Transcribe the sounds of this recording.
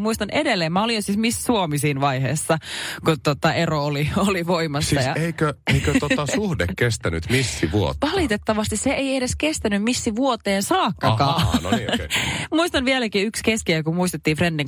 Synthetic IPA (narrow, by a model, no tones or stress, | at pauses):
muist̪ɑnedelːeːmmæolijjosismissuomisiːnʋɑihḛːsːɑkut̪ot̪ɑʔeroolioliʋoimɑssːɑjɑeikøeikøt̪ot̪ɑsuhdḛkkest̪æny̰t̪misːiʋuo̰tʋɑlit̪et̪ːɑʋɑst̪isseeiedeskest̪ænymmisːiʋuot̪eːnsɑːkːɑkɑːn̰ | muist̪ɑnʋielækiykskeskiøkumuist̪et̪ːiːfrendiŋ